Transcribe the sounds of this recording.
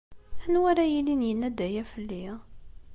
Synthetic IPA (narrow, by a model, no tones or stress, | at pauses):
ænwæɾæjilinjənːæd̪æjæfəlːi